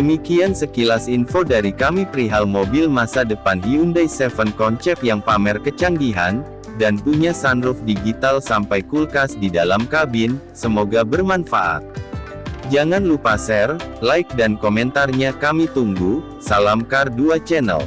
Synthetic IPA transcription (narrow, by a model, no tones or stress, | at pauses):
dəmikiansəkilasinfodaɾikamipəɾiɦalmobilmasadəpanɦiundajsɛfənkɔnt͡ʃɛp̚jaŋpamɛrkət͡ʃaŋɡiɦa̰n | danpuɲasanɾʊfdiɡit̪alsampajkulkasdidalamkabɪnsəmoɡabərmanfaʔa̰t̪̚ | d͡ʒaŋanlupasɛrlaik̚dankomɛnt̪arɲakamit̪uŋɡu | salamkarduat͡ʃɛnə̰l